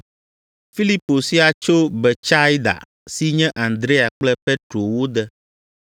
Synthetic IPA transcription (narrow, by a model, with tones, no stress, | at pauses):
fi˦li˦po˨si˦a˨t͡ʃo˦bɛ˨t͡ʃa˦jd̪a̰˨ | si˦ɲɛ̃˦ʔã˨nd̪ɾe˦a˨k͡plɛ˦pɛ˦t̪ɾo˨wo˦d̪ɛ˦